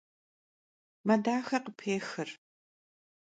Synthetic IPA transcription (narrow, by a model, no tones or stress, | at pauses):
mɐdaːxɐqəpʰeːxɨr